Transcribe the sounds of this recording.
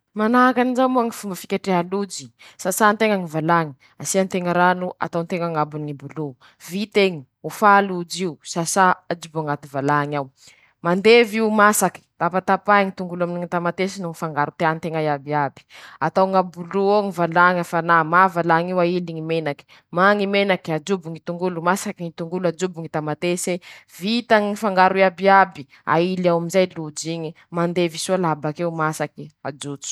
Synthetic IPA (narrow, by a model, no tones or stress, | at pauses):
manaɦakanizamoaŋifumbəfikʲaʈ͡ʂeɦalud͡ʒi̥sasant̪eŋaŋivalaŋi̥ | asiant̪eŋəɾanuʔa̰t̪awnt̪eŋaŋabuniŋibulu | vit̪eŋi | ufalud͡ʒiusasaad͡ʒiboŋat̪ivalaŋaw | mand̪eviumasaki̥t̪apat̪apajŋit̪uŋɡulaminiŋit̪amat̪esinuŋifaŋɡaɾut̪eant̪eŋajabiabi̥at̪awŋabuluoŋivalaŋafanamavalaŋiwailiŋimenaki̥ | maŋimenakiad͡ʒubuŋit̪uŋɡulumasakiŋit̪uŋɡulad͡ʒubiŋit̪amat̪esevit̪aŋiŋifaŋɡaɾuiabiabi | a̰ilawaminzajlud͡ʒiɲi | mand̪evisualabakewmasakiad͡ʒut͡su̥